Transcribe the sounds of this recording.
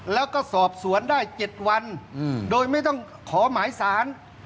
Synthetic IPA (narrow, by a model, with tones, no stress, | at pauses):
lɛː˦˥wkɔː˥˩sɔː˨˩p̚su˩˦əndaː˥˩jt͡ɕe˨˩t̪̚wa˧ndoː˧jma˥˩jt̪ɔ˥˩ŋ | kʰɔː˩˦maː˨˩˦jsaː˩˦n